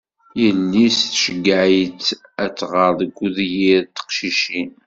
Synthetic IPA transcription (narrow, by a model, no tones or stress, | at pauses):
jəlːisθʃəɡːəʕit͡sæt͡sːʁəɾðəɡʷːuðjiɾt̪ːə̥qʃiʃin